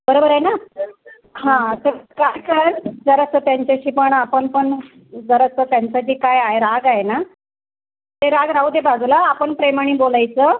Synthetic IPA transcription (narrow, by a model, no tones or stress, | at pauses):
bəɾobəɾajna | ɦãt̪əɾkajkəɾd͡zəɾət͡sət̪jaɲt͡ɕaɕiːpəɳapəɳpəɳ | d͡zəɾət͡sət̪jaɲt͡saɕiːkajaeɾaɡajena | t̪eɾaɡɾauːd̪ebad͡zlaːpəɳpɾemaɳ̃iːbolajt͡səː